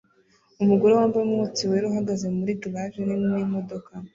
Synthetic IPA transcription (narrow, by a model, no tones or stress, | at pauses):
umuɡoɾewaːmbamŋot͡siweɾuɦaɡaze̞muɾiduβaʒenineimo̞do̞ka